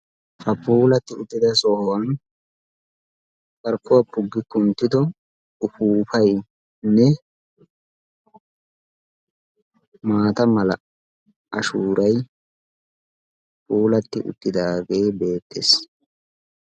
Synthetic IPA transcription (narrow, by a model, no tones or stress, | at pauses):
fɐpuːlɐt̪ːɪʊt̪ːɪd̪ɐsɔhwɐn | kɐɾkːʊwɐpʊɡːɪkːʊnt̪ːɪd̪ɔ | ʊfuːfɐj | nɛ | maːt̪ɐmɐlɐ̰ | ʔɐʃuːɾʔɐj | puːlɐt̪ːɪʔʊ̰t̪ːɪd̪aːɡe̞ːbe̞ːt̪ːes